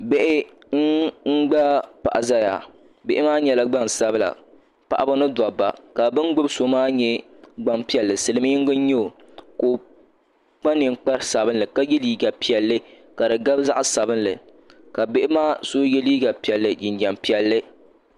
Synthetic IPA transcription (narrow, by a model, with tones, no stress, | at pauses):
be˦ʔɪ˦ | ŋ̩˦ŋ͡m̩˦ɡ͡ba˦pa̰˨ʔa˨za˦ja̰˨ | be˨ʔɪ˦maː˦ɲɛ˨la˦ɡ͡ba˦ŋ˨sa˦bla̰˨ | pa̰˨ʔa˦ba˦nɨ˦da˨ba̰˨ka˨bɨ˦nɡ͡bʊ˦bso˨maː˦ɲɛ˦ | ɡ͡ba˦mpi˦ɛ˨lːɨ˨sɨ˨lɨ˨˦m˦ɪ˦ŋ˦ɡɨ˦ɲɛ˦o˨ | koː˨ | k͡pa˦nɨ˨ŋk͡pa˦ɾsa˨bɨ˦nlɨ˨ka˦jɛ˦liː˦ɡa˨pi˨ɛ˨lːɨ˦ | ka˨ɾɨ˨ɡa˦bza˦ʔsa˨bɨ˦nlɨ˨ | ka˨be˦ʔɪ˦maː˦so˦jɛ˦liː˦ɡa˨pi˨ɛ˨lːɨ˨d͡ʒɪ˨nd͡ʒɛ˨mpi˨˦ɛ˨lːɨ˦